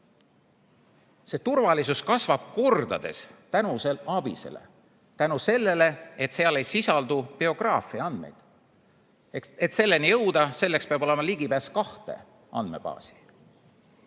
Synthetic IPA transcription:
se̞ːt̪urvɑlisuskɑsvɑb̥̚ko̞rd̪ɑ̰d̪e̞̰st̪ænuse̞lɑb̥ḭsḛlḛ | t̪ænuse̞lːe̞le̞et̪seɑle̞jsisɑld̪upeo̞ɡ̥rɑːfˑiɑɑnd̪̥me̞̰jd̪̥ | et̪se̞lːe̞nijɤ̞wd̪ɑse̞lːe̞kspeɑbo̞le̞mɑliɡipæːskɑht̪e̞̰ | ɑ̰nd̪̚me̞̰b̥ɑ̰ːsi̥

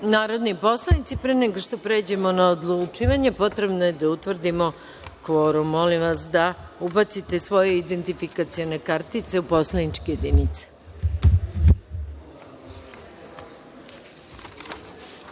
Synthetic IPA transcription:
naːɾo̞d̪nipo̞slˠanit̪sipɾeneɡoʃt̪o̞pɾe̞ːd͡ʑe̞mo̞naod̪lˠut͡ʃiːʋaɲepo̞t̪ɾe̞bnoje̞d̪aut̪ʋr̩d̪imo̞ | kʋoɾumolimʋasd̪aubat̪sit̪e̞sʋo̞je̞id̪e̞nt̪ifikat̪sijone̞kaɾt̪it̪se̞upo̞slˠanit͡ʃkejed̪init̪se̥

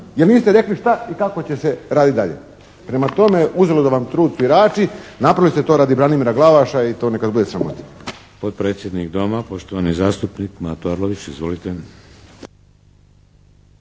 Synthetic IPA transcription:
jelniːst̪eɾe̞kliʃt̪aikako̞t͡ɕe̞se̞ɾaːd̪it̪d̪aʎe̞̰ | pɾe̞mat̪o̞meʔuze̞lod̪aʋamt̪ɾuːd̪suiɾaːt͡ʃinapɾalist̪et̪o̞ːɾaːd̪ibɾanimiɾaɡlˠaʋaʃait̪o̞nekad̪bud̪e̞sɾamo̰t̪i̥ | pot̪̚pɾeːt̪sje̞d̪nikd̪o̞mapoʃt̪oʋanizaːst̪upnikmat̪oaɾloʋit͡ɕizʋolit̪e

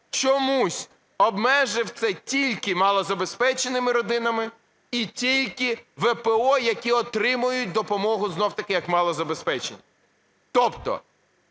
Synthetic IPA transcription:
t͡ʃɔmusʲ | ɔbmɛʒɪwt̪sɛtʲilʲkɪmɑlˠɔzɐbespɛt͡ʃenɪmɪɾɔd̪ɪnɐmɪ | itʲilʲkɪʋepeɔjɐkʲiɔt̪ɾɪmʊjʊt̚ʲd̪ɔpɔmɔɦʊznɔwt̪ɐkɪjɐkmɑlˠɔzɐbespɛt͡ʃenʲɪ | t̪ɔpt̪ɔ̰

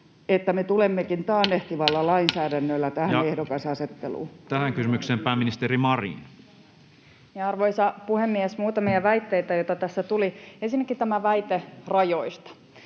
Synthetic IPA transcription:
et̪ːæmet̪ulemːekint̪ɑːnːeht̪iʋɑlːɑlɑinsæːdænːølːæt̪æhæehdokɑsɑset̪ːelṵːt̪æhæŋkysymykseːmpæːmːinist̪eɾimɑrḭn | mɑɑrʋoisɑpuhemːiesmuːt̪ɑmiɑʋæit̪ːeit̪æjoit̪ɑt̪æsːæt̪uliensinːekːit̪æmæʋæit̪erɑjoist̪ɑ̥

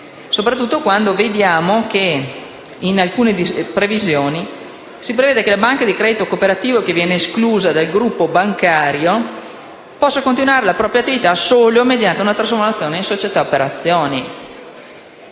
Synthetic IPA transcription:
sopɾat̪ːut̪ːokwand̪oved̪jaːmoke | inalkuːned̪ipɾevizjoːni | sipɾeveːd̪ekelabaŋkad̪ikɾɛːd̪it̪okopeɾat̪iːvokevjɛːneːskluːzad̪alɡɾupːobaŋkaːɾjo | pɔsːakõnt̪inwaːɾelapɾɔːpɾjat̪ːivit̪asoːlomed̪jant̪eunat̪ɾas̬foɾmat̪sjoːneĩnsot͡ʃet̪aopeɾat̪sːjoːni

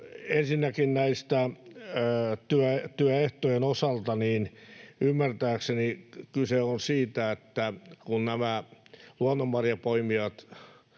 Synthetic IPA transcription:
ensinːækinnæist̪æ | t̪yæt̪yæeht̪ojenosɑlt̪ɑniːnymːært̪æːksenikyseonsiːt̪æet̪ːækunnæmæluɑnːomːɑrjɑpoimiɑt̪

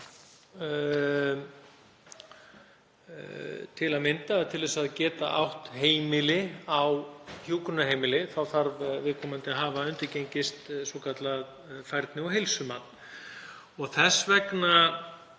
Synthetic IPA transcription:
t̪ʰɪlaðmɪnt̪at̪ʰɪlðɛsaðcɛːt̪a̰ʔa̰wht̪heːjmɪlɪawçjuːkʏnaheːjmɪlɪθawfaɾvvɪðkʰɔːmant̪ɪaɦaːvaʏnt̪ɪɾcejɲcɪst̪svɔkʰat̪lað | fajɾt̪nɪɔɦejlsʏmaːt̪n | ɔɣθɛsvɛkna

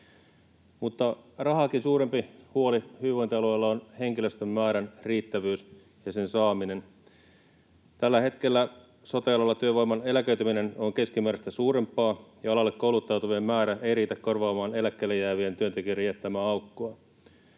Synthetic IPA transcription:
mut̪ːɑrɑɦɑkinsuːɾe̞mpihuo̞lihyːʋojnt̪eɑluejlːɑonhe̞ŋkilø̞st̪ømːæːɾænriːt̪ːæʋyːs | jɑse̞nsɑːmine̞n | t̪ælːæhe̞t̪k̟e̞lːæ | sot̪ɑɑlɑlːɑt̪yøʋoimːɑne̞lækøɥt̪ymine̞no̞ŋke̞skimæːɾæst̪æsuːɾe̞mpːˑɑːjɑɑlɑlːekkoulut̪ːɑwt̪uʋiemːæːɾæe̞jriːt̪ækkorʋɑːmɑːne̞lækːelːejæːʋient̪yø̞nt̪e̞k̟yerijet̪ːæmæːɑwkːoɑ

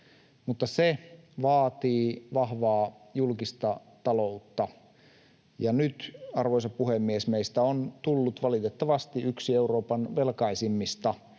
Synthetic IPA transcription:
mut̪ːɑseʋɑːt̪iːʋɑhʋɑː | julkist̪ɑ | t̪ɑlout̪ːɑ | jɑnyt̪ɑrʋoisɑppuhemːiesmeist̪æont̪ulːut̪ʋɑlit̪et̪ːɑʋɑst̪iyksieuro̞ːpɑnʋelkɑisimːist̪ɑ

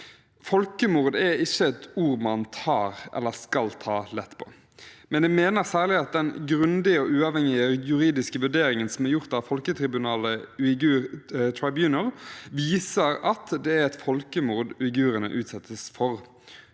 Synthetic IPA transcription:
fɔlkəmʊɾd̪ɛɪçːəɛt̪uːɾmɑnt̪ʰɑːɾʔɛ̰lːəʁskɑlt̪ʰɑːlɛt̪ːpʰo̥̰ | mɛnjæmeːnəʁsæːʁlɪɑt̪̚d̪ɛnɡɾʉnd̪ɪəɔʔʉːɑʋhɛŋɪəjʉɾiːd̪ɪskəʋʉɖeːɾɪŋənsɔmæʁjʊʁt̪ɑʋfɔlkət̪ʰɾɪbʉnɑːləɪɡʉːɾt̪ʰɹaɪbjʉːnəlʋiːsəɾɑt̪d̪ɛæɾɛt̪fɔlkəmuʁd̪ɪɡʉːɾənə̰ʔʉːt̪sɛt̪ʰːəsfɔɾ

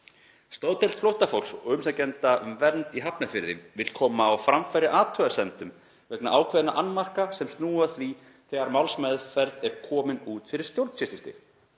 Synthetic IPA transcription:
st̪owt̪ʰɛlt̪flowht̪afowlsʏmsacɛnt̪aʏmvɛɾnt̪iɦapnafɪɾðɪvɪlkʰɔːmaːwfɾamfajɾɪʔaːt̪ʰœːðaɾst̪ɛnt̪ʏm | vɛkna̰ʔaːwkʰvɛːðnaʔanːmar̥kasɛmst̪nuːaθvi | θɛːɣaɾmawlsmɛðʏɾfɛɾt̪ɛɾ̥kʰɔːmɪnuːt̪fɪɾɪɾ̥st̪jowɾt̪fɪst̪ist̪ɪ̰

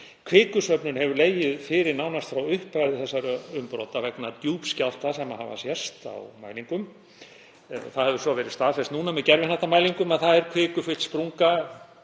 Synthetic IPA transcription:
kʰvɪːkʏsœpnʏnhɛvʏɾleːjɪðfɪːɾɪɾnawnast̪fɾawʏhpajðɪθɛsːaɾʏmpɾo̰wt̪avɛknat̪juːpscal̥t̪asɛmaha̰va̰sjɛ̥st̪a̰wma̰ːjliŋkʏm | θaðhɛvðʏɾsvɔvɛːɾɪðst̪aːðfɛst̪nuːnamɛðcɛɾvɪnθɛht̪amaːjliŋkʏmaðθaðɛɾkʰvɪːkʏfɪt̪spɾuŋka

